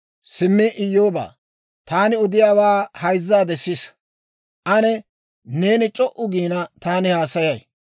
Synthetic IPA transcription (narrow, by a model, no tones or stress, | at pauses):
sɪmːɪʔɪjo̞ːba̰ː | t̪aːnɪɔd̪ɪjaːwaːhɐjzːaːd̪ɛsːɪs | ʔɐnɛ | ne̞ːnɪt͡ʃʼɔʔʊɡiːnɐt̪aːnɪhaːsɐjɐj